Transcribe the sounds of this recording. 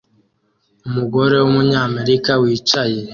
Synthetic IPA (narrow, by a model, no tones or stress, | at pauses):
umuɡo̞ɾe̞wumuɲaːme̞ɾikawiːt͡ʃajeɾe